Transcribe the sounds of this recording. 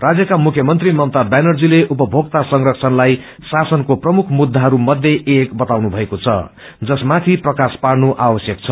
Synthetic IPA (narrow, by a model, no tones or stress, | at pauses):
rad͡zjʌkamukʰjʌmʌnt̪rimʌnt̪abanʌrd͡zileʔupʌbʱoɡ̚t̪asʌŋrʌkt͡sʰʌnlaj | sasʌnkoprʌmukʰmud̪ʱːaɦʌɾumʌd̪ʱjeekbʌt̪awnubʱʌekot͡sʰʌ̰ | d͡zʌsmat̪ʰiprʌkaspaɽnuʔawʌsjʌk̚t͡sʰʌ